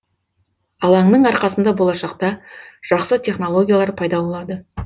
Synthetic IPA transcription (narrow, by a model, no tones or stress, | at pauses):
ɑlˠɑɴnəɴɑɾqɑsənd̪ɑbo̞lˠɑʃɑqt̪ɑʒ̥ɑqsət̪ʰʲe̞χno̞lˠo̞ɡʲijalˠɑɾpʰɑjd̪ɑbo̞lˠɑd̪ə